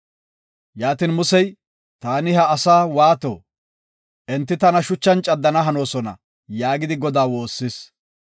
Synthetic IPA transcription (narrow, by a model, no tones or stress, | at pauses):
jaːt̪inmʊsɛj | t̪aːnɪɦɐːsaːwaːt̪o̰ː | ɛnt̪ːɪt̪ɐnɐʃʊt͡ʃːɐnt͡ʃʼɐd̪ːɐnɐɦɐno̞ːsɔnɐ̰ | jaːɡɪd̪ɪɡɔd̪aːwo̞ːsːɪs